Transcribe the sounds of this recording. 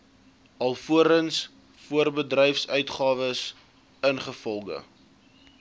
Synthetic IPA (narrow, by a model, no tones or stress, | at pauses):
ɐlˠfuəɾəns | fuərbədrɛjfsœɥtχɑːvəs | ənχəfɔlˠɡə̰